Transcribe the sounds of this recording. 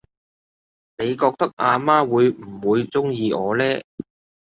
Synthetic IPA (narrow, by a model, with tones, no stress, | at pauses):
ne˨˧jkɔː˧k̚t̪ɐ˥k̚ʔaː˧maː˥wuː˨˧jm̩˨˩wuː˨˧jt͡sʊ˥ŋjiː˧ʔɔː˨˧lɛː˥